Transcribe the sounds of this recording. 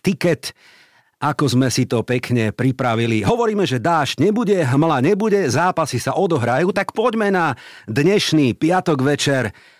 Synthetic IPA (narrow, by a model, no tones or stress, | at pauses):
t̪ikɛt̪ | akɔzmɛsit̪ɔpɛkɲɛpɾipɾaʋiliɦɔʋɔɾiːmɛʒɛd̪aːʒcɲɛbuɟɛɦmlaɲɛbuɟɛzaːpasisaʔɔd̪ɔɦɾajuːt̪akpɔɟmɛnad̪ɲɛʃniːpɪat̪ɔɡʋɛt͡ʃɛɾ